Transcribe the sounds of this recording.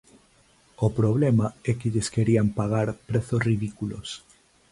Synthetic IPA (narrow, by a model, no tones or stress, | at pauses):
opɾoβ̞lemaɛkɪʎeskeɾiampaɣ̞aɾpɾeθosriðikulo̰s